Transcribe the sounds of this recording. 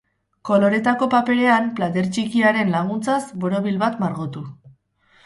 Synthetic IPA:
ko̞lo̞ɾe̞t̪ako̞pape̞le̞amplat̪e̞ɾt͡ʃikiaɾe̞nlaɣunt͡sasbo̞ɾo̞β̞ilβat̪maɾɣot̪u

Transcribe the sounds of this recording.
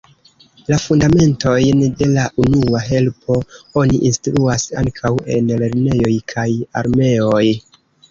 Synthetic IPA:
lafundame̞nto̞jnde̞laʔunuaɦe̞lpʰo̞o̞niʔinstɾuasa̰ŋkʰawe̞̰nle̞ɾne̞jo̞jkʰaja̰ɾme̞o̞j

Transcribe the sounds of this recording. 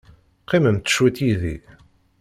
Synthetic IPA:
qːiməmt̪ə̥ʃwit̪jiðḭ

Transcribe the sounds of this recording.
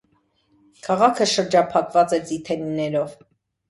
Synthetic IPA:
kʰɑʁɑkʰəʃəɾd͡ʒɑpʰɑkvɑt͡sɛt͡sit̪ʰɛninɛɾɔv

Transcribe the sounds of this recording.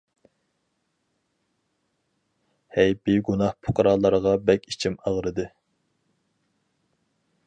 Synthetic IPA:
hɛjbiɡunɑhpʰʊ̥qʰɑɾɑːlˠɑɾʁɑbɛkʲi̥t͡ʃʰimɑʁɾɨd̪ɨ

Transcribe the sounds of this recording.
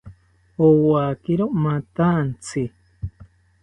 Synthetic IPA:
owakiɾomat̪ant͡sʰi

